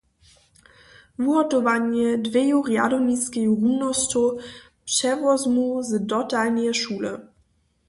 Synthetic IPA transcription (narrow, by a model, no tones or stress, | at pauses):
vuɦɔtɔvaɲɛdvɛjuʁja̰dɔniskʲɛjuʁumnɔstɔ | pʂɛvɔzmuzdɔtalnɛʃulə̰